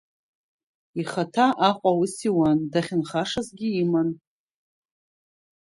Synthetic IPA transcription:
iχatʰaʔaχʷʼawusiwandaχʲɪnχaʂazɡʲiiman

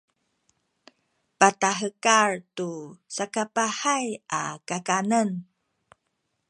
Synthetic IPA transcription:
pataɦəkaɹtusakapaħajʔa̰kakanən

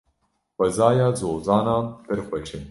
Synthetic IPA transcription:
xʷɛzaːjɑːzoːzɑːnɑːnpɨɾxʷɛʃɪn

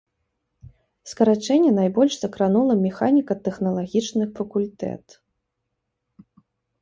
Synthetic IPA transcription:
skɐɾat͡ʂɛnʲːɛnajbɔlʲʂsɐkɾanulˠɐmʲɛxanʲikɐt̪ɛxnɐlˠaɣʲit͡ʂnɨxfɐkulʲt̪ɛ̰t̪

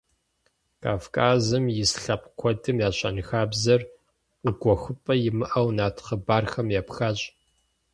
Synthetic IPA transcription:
kʰaːfkʰaːzɨmjɪsɬɐpʼkʷʰɔdɨmjaːɕʼɐ̰nɨxaːbzɐr | ʊɡʷɔxʷɨpʼɐjɪmɨʔɐwnaːtʰχəbaːrxɐmjaːpxaːɕʼ

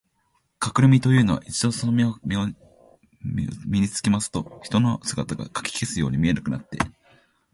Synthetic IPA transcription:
kakɯ̟ɾɯ̟mʲit̪o̞jɯ̟ːno̞βa̰ʔit͡ɕid̪o̞sonomʲiomʲo | mʲiɲit͡sɨ̥kʲimasɨ̥t̪o̞çi̥t̪o̞no̞sɨɡat̪aɡa̰kḁkʲi̥kʲesɨjo̞ːɲ̟imʲie̞nakɯ̟na̰t̪ːe̞̰

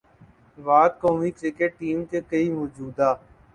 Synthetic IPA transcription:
ʋaːd̪̚koːmikɾɪkeʈ̚ːiːmkekɐimɔːd͡ʒuːd̪aː

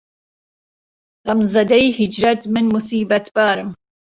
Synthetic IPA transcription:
ɣamzzɐd̪ɐjhid͡ʒɾɐt̪mɪnmusiːbɐt̪b̥aːɾɨm

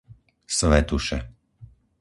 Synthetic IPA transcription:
sʋɛt̪uʃɛ

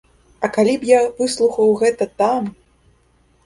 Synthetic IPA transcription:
ɐkalʲipjavɨslˠuxɐwɣɛt̪ɐt̪am

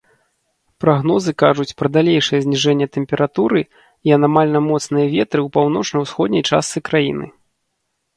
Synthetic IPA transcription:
pɾaɣn̪ɔzɨkaʐut͡sʲpɾɐd̪alʲejʂɨjɛzʲnʲiʐɛnʲːɐt̪ɛmʲpʲɛɾat̪uɾɨ | iɐnamalʲnɐmɔt̪snɨjɐvʲɛt̪ɾɨwpawnɔt͡ʂnɐwsxɔd̪nʲɐjt͡ʂa̰st̪sɨkɾajḭnɨ̰

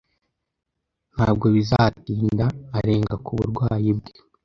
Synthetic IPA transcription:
naːb̚ɡo̞βizatiːndaːɾe̞ːŋɡakuβuɾɡwaːjibɡe

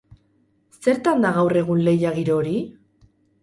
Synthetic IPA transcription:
se̞ɾt̪and̪aɣawre̞ɣ̞unle̞jaɣiɾo̞ɾi

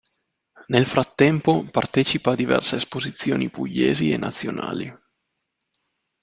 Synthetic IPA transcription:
nelfɾat̪ːɛmpopart̪ɛt͡ʃipaːd̪ivɛ̰rseːspozit̪sːjoːnipuʎːeːzienʔat̪sːjona̰ːli

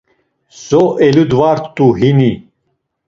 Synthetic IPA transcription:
sɔʔɛlud̪vaɾt̪ʼːuɦini

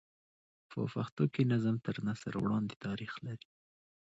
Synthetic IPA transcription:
fo̰faxt̪okinazamt̪əɾnasa̰ɾwɽɑnd̪et̪ɑɾixlaɾi

